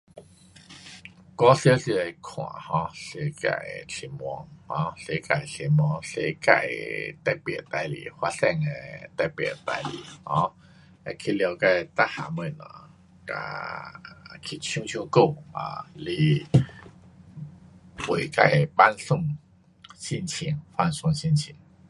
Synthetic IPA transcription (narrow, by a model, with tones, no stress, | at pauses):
kɔ˧˦sjsi˧a˧jkʰw̃ã̰˨˩˨hɔ̃˧˦ɬe˧˦ka̰˧˨jɬʰi˧˩mwɔ˧ŋhɔ̃˧˦ɬe˧˦ka˧˨˩jɬʰe˧˩m˧ɔ˧ŋɬḛ˧˦ka̰˧˩jt̪a˧˩jpɛ̰˨˧˩t̪a˧jlḭ˨hwa˧˦sɛ˧ŋe˧t̪a˧˩jpɛ̰˧˨˩t̪a̰˧jli˨˩˦hɔ̰̃˧˦ | a˧kʰi˧lja˧ka˧jt̪a˦˥ha˨mə˧˩na̰˧˨ | ka̰˧ | kʰi˧t͡ɕʰjũ˧ŋt͡ɕʰjũ˧ko˥˧˨a̰˨˩li˧ | pwe˨˩ka˧˩jba˦nsu˥˧ŋ | ɕi˥˧˨nt͡ɕʰi˧˩ŋfa˧nsʊ˧ŋɕĩ˥˧nt͡ɕʰi˧˩˦ŋ